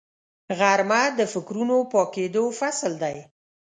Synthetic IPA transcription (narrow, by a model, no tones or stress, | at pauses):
ɣaɾmad̪əfɪkɾunopɑked̪ofasld̪aj